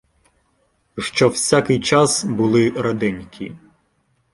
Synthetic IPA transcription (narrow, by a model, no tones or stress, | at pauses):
ʃt͡ʃɔwsʲakɪjt͡ʃɑsbʊlˠɪɾɐd̪ɪnʲkʰʲḭ